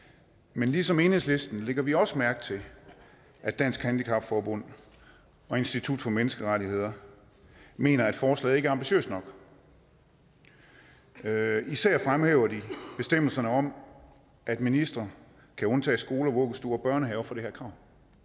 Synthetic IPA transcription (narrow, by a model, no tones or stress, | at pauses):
menlisɒ̽me̝ːnhe̝ðˠsle̝sd̥n̩leɡ̥ɐʋiɒ̽səmæɐɡ̥̩ˠt͡sʰe̝ | ʔæd̥æn̰sɡ̥hænd̥ikʰɑ̈b̥fɒːbɔ̽n̰ | ɒ̽e̝nsd̥it͡sʰud̥fɒ̽menəsɡ̥əʁɑɾihe̝ð̰ˠɐ | me̝̰ːnɐæd̥fɒːslɛ̰ðˠe̝ɡ̥æɑ̈mb̥iɕø̰ːsd̥nɒ̽ɡ̥ | isæɐ̰fʁamheʊɐdib̥e̝sd̥em̰l̩sɐnəɒ̽m | ʔæd̥minisd̥ʁɐ | kʰæɔ̽nt͡sʰɛ̰ːsɡ̥o̝ːləɒʋɔ̽ɡ̥əsd̥uɐɒ̽b̥ɶɐnəɦɛʊfɒ̽ɾ̥e̝heɐ̰kʰʁɑ̈ʊ̰n